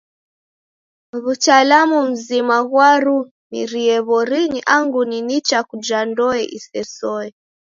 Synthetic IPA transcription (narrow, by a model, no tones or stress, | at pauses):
βutalamum̩zimaɣwaɾu | nḭɾiɛβɔɾiɲiʔaŋɡuninit͡ʃakud͡ʒandɔɛʔḭsɛsɔɛ